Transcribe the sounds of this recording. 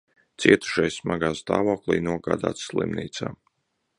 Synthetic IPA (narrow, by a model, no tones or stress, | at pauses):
t̪siɛt̪u̥ʃajsmaɡaːst̪a̰ːvoːklˠḭjnuɔɡaːd̪a̰ːt̪sslˠḭmniːt̪sa̰ː